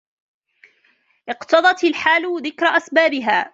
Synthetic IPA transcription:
ʔɪqt̪ɑd̪ˤɑt̪ɪlħaːlʊðɪkɾaʔasbaːbɪɦaː

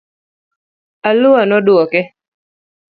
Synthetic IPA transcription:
alʊanɔdʊɔkɛ

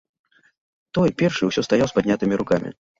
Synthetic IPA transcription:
t̪ɔjpʲɛrʂɨwsʲɔst̪ajawspad̪ʲnʲat̪ɨmʲiɾukamʲḭ

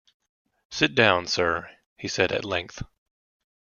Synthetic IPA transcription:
sɪt̚d̥ãʊ̃nsɜ˞ | hisɛɾɨ̰tˡlɛ̃ŋk̚θ

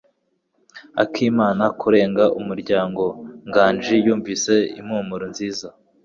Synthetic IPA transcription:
a̰kʰiːmaːnakuɾe̞ːŋɡaʔumuɾɟaːŋɡo̞ŋɡaːnd͡ʒijuːɱvise̞ḭmhuːmuɾonziːza

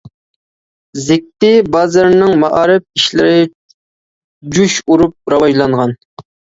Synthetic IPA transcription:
zɪk̚ʲt̪ɪbɑːzɨɾnɪŋmɑʔɑːɾɪp̚iʃlɪɾɪ | d͡ʒuʃuɾup̚ɾɑwɑʒlˠɑɴʁɑn

